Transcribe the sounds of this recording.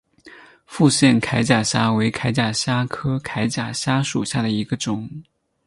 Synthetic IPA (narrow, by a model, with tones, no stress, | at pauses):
fu˥˧ɕjɛ˥˩nkʰa˧˥ɪt͡ɕja˨˩ɕja˥we˧˥ɪkʰa˧˥ɪt͡ɕja˨˩ɕja˥kʰɤ˥kʰa˧˥ɪt͡ɕja˨˩ɕja˥ʂṵ˨˩ɕja˥˩d̪ə˩i˧˥ɡə˧ʈ͡ʂʊ˨˩˦ŋ